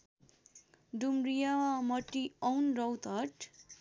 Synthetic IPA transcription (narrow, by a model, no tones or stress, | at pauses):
ɖumɾijawamʌʈːiʌwnrʌwt̪ʌʈ